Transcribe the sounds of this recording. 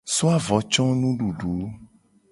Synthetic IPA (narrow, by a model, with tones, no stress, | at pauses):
so˦a˦vɔ˨˦t͡ʃɔ̃˦nũ˦ɖu˨ɖu˨˦